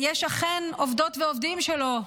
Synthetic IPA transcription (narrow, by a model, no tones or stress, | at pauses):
jeʃaχenovd̪otveovd̪imʃelo